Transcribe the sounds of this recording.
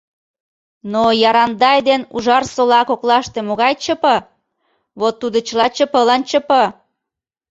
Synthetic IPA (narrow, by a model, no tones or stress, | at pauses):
nojɑɾɑnd̪ɑjd̪enṵʒɑrsolɑkoklɑʃt̪emoɣɑjt͡ɕəpɤ̆ | βot̪ːud̪ə̆t͡ɕəlɑt͡ɕə̆pəlɑnt͡ɕə̆pə̆